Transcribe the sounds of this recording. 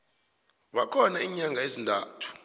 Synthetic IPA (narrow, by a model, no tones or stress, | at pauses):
ɓakʰɔnaiːɲaŋɡʱaezindʱa̰ːtʰu̥